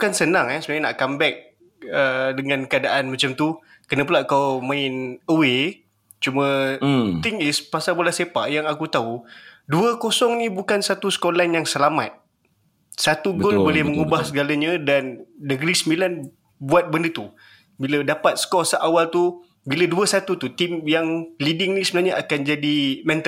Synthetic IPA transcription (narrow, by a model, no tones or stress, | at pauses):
bukansənãŋasəmaɲnaʔkambɛk̚ | ədəŋãnkəadaʔanmat͡ʃamt̪u | kənə̃pəlaʔkawmãɪnəwe | t͡ʃumə̃ | t̪ɪŋɪspasabolasepaʔjaŋakut̪auduəkosɔŋnibukansat̪usə̥kolanjaŋsəlama̰t̪̚ | sat̪uɡʊnbolɪhməŋubahsəɡalaɲədanːəɡɾisəmbilan | buat̪̚bəndət̪u | bilədapat̪̚sə̥kɔlsaʔawalt̪u | biləduəsat̪ut̪ut̪ɪmjaŋlidɪŋnisəbənaɲaʔakand͡ʒadimɛ̃nt̪ə